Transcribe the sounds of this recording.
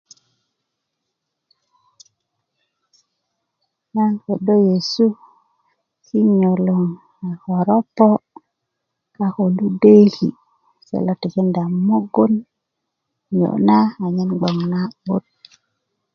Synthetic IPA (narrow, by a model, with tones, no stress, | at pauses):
na˦nko˨do˦je˨su˦ | ki˦ɲo˨lo˨ŋ | a˨xo˨ɾo˦pːo˦ | ka˨xo˨lu˦de˦kḭ˨ | sḛ˨lo˨ti˨ki˦nda˨mo˦ɡo˦n | jo̰˨na˦a˨ɲi˦nɡ͡bo˨ŋna˦ɓo˦t̚